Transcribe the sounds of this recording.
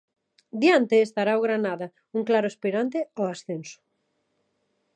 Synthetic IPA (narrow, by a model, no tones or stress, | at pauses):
d̪jant̪eːst̪aɾaoɣɾanaðɐ | uŋklaɾʊespiɾant̪eoasθensʊ̥